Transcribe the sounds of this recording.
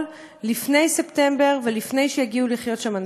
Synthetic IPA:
l | lifne̞jse̞pte̞mbe̞ʁvelifne̞jʃejaɡiuliχjo̞tʃaman

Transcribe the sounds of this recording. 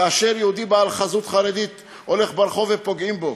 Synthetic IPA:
aʃeɾjeud̪ibaalχazut̪χaɾed̪it̪ | o̞le̞χbaɾχo̞vepo̞ɡimbo

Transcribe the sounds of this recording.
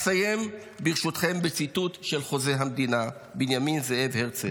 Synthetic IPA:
saje̞m | biʁʃut̪χe̞mbet͡sit̪ut̪ʃe̞lχo̞ze̞ɦamd̪inabinjaminzeevheʁt͡se

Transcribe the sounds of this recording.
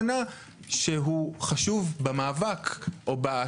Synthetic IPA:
na | ʃeɦuχaʃuvbamaːvakʔoba

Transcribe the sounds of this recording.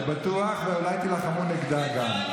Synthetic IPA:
bat̪uaχveolajt̪ilaχamuniɡd̪aɡam

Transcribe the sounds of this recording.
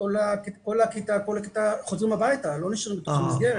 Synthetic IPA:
olakko̞lakitako̞lakit̪aχozʁimabajt̪alo̞niʃanimbet̪oχamisɡeʁe

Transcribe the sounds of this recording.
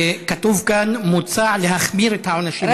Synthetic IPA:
katuvkanmut͡saʕlehaχmiɾet̪haʕonaʃi

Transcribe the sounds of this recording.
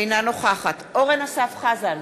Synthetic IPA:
jnano̞χaχatoʁenasafχazan

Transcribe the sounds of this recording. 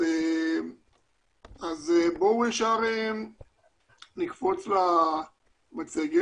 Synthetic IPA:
e | azbouefʃaʁem | nikfo̞t͡sla | mat͡seɡe

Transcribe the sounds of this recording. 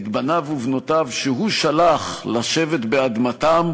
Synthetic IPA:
t̪banavuvnot̪avʃeɦuʃalaχlaʃe̞vet̪bead̪mat̪am

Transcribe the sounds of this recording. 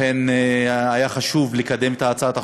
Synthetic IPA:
enajaχaʃuvlikad̪e̞met̪aːt͡saat̪a

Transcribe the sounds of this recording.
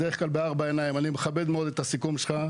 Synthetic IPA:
deʁeχklalbeaʁbaenajimanimeχabe̞d̪meo̞d̪et̪asikumʃelχa

